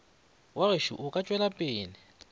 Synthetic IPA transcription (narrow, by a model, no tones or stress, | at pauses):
wareʃuʔʊkʼat͡ʃʼwɛlapʼɪːnɪ